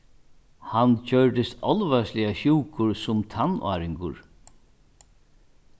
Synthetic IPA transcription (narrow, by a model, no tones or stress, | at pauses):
hancœɹd̪ɪst̪ɔlvaslɪaʃuːkʰʊɹsʊmt̪ʰanʔa̰ːɾɪŋkʊ̰ɹ